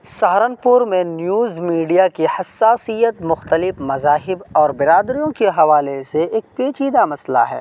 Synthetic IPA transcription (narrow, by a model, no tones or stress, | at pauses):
sɐɦɾənpʊɾmẽnjuːzmiːɖijakihɐsːaːsijət̪mʊxt̪əlɪfmɐzaːɦɪbɔːɾbɪɾaːd̪ɾijõkeɦɐʋaːleseeːk̚peːt͡ʃiːd̪amɐsla̰ɦɛ̰ː